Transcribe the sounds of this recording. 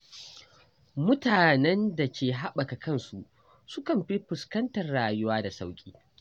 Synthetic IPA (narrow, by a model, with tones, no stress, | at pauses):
mʊ˦taː˨nɛ˦nda˨kʲeː˨ɦa˦ɓɐ˨ka˨kɐ˦nsu˦ʔ | sʊ˦kɐ˨mɸi˦ɸʊ˨skɐ˦ntɐ˨rɽaː˨jʊ˦waː˦da˨sa˦wkʲʼiː˦